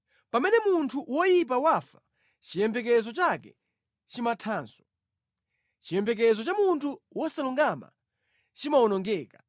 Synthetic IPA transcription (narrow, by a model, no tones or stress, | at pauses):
pamɛnɛmuntʰuwɔjip̬awafa | t͡ʃijɛmbɛkɛzɔt͡ʃakɛ̰ | t͡ʃimatʰaːnsɔ̥ | t͡ʃijɛmbɛk̬ɛzɔt͡ʃamuntʰuwɔsaluŋɡama̰ | t͡ʃimawɔnɔŋɡɛːka